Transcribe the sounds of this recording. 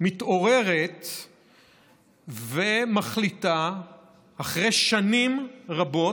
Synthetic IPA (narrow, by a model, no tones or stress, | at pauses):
mit̪o̞ʁe̞ʁet̪ | vemaχlita | aχʁejʃanimʁabo̞